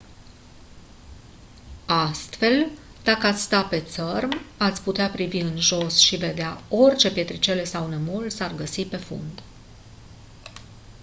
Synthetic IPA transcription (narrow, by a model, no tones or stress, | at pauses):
ast̪fe̞l | d̪̥akəat̪sʲst̪ape̞t̪sərmat̪sʲput̪eapɾiviɨnʒo̞sʃive̞d̪eao̞rʲt͡ʃe̞pje̞t̪ɾit͡ʃe̞le̞sawnemulsarɡəsipe̞fṵnd̪